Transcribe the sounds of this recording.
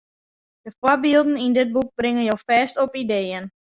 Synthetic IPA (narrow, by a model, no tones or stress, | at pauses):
d̥əfwɔbiːlˠdn̩indɪt̚buk̚brɪŋənjoːfɛːstɔpideːən